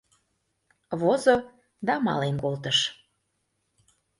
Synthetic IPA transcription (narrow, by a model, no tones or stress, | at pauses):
βozo | d̪ɑmɑ̰lemkolt̪əʃ